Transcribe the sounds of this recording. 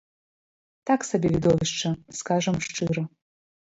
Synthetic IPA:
t̪aksɐbʲevʲid̪ovʲɪʂʈ͡ʂɐskaʐɐmʂʈ͡ʂɨɾɐ

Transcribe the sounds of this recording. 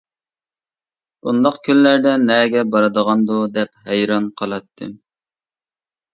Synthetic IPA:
und̪ɑqkʲʰynːæɾd̪ɛnɛɡʲɛbɑɾɨd̪əʁɑnd̪ud̪ɛp̚hɛjɾɑnqʰəlˠɑt̪ʰːɨm

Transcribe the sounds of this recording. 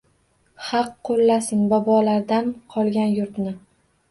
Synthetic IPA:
hɑqʰːolːasɪnbɒbɒlaɾd̪anqʰɒlˠɡʲanjʊɾt̪nɪ

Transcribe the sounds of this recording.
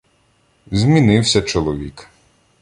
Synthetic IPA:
zʲmʲinɪwsʲɐt͡ʃɔlˠɔʋʲik

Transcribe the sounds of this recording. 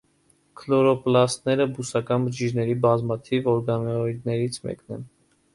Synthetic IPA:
kʰlɔɾɔplɑst̪nɛɾəbusɑkɑnbəd͡ʒid͡ʒnɛɾibɑzmɑt̪ʰivɔɾɡɑnɔid̪nɛɾit͡sʰmɛ̰knɛ̰n

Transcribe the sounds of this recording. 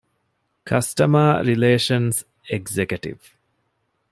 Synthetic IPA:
kʰɐsʈɐmaːɾileːʃɐns | eɡzekjuʈḭʋ

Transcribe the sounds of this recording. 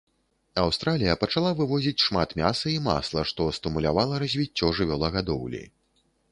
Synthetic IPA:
awst̪ɾalʲijɐpɐt͡ʂalˠavɨvɔzʲit͡sʲʂmat̪mʲasɐima̰slˠɐʂt̪ɔst̪ɨmulʲavalˠɐɾɐzʲvʲit͡sʲːɔʐɨvʲɔlˠɐɣad̪ɔwlʲḭ

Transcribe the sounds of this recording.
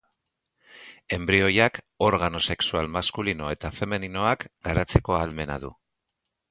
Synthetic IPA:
e̞mbɾio̞jak | o̞ɾɣano̞se̞ksualmaskulino̞e̞t̪afe̞menino̞akɡ̥aɾat͡se̞ko̞alme̞na̰ðṵ

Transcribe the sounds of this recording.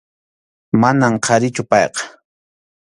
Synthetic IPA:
manamqʰɑɾɪt͡ʃʊpɑjqɑ̥

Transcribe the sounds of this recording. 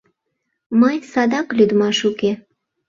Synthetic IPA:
məjsɑd̪ɑklyd̪mɑʃuke

